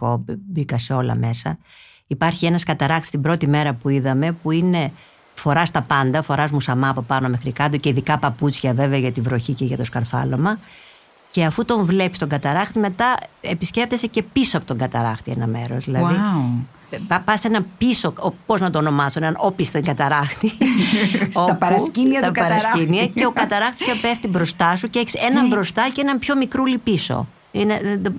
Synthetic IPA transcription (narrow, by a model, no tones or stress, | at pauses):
kobbikɐseo̞lɐ̰me̞sɐ | ipɐɾçie̞nɐskɐt̪ɐɾɐxt̪ist̪ibɾo̞t̪ime̞ɾɐpuiðɐme̞puine̞ | fo̞ɾɐst̪ɐpɐnd̪ɐfo̞ɾɐzmusɐmɐːpo̞pɐno̞me̞xɾikɐt̪uce̞iðikɐpɐput͡sçɐve̞veɐʝɐt̪ivɾo̞çiceʝɐt̪o̞skɐɾfɐ̰lo̞mɐ | ce̞ɐfut̪o̞ɱvle̞pi̥st̪o̞ŋɡɐt̪ɐɾɐxt̪ime̞t̪ɐepisce̞ft̪ese̞ce̞pisoɐpo̞t̪o̞ŋɡɐt̪ɐɾɐ̰xt̪ie̞̰nɐ̰me̞̰ɾozðilɐði | pɐpɐsenɐpiso̞opo̞znɐt̪o̞ːno̞mɐsoneɐnopist̪eŋɡɐt̪ɐɾɐxt̪i | oɐpɐɾɐsiniɐɐpɐɾɐssciniɐceo̞kɐt̪ɐɾɐxt̪i̥scepeft̪ibɾo̞st̪ɐsuceeçi̥se̞nɐmbɾo̞st̪ɐceenɐmpço̞mikɾulipiso̞̰ | ineðeð